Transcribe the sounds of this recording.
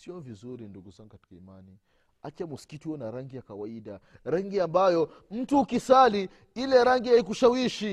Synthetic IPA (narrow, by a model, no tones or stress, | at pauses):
siɔvizuɾinduɡuzaŋɡukati̥kaimani | at͡ʃamuskitiɔnaɾaŋɡijakawaiɗaɾaŋɡiambajɔm̩tuːkisali | ilɛɾaŋɡiaik̬uʃawiʃi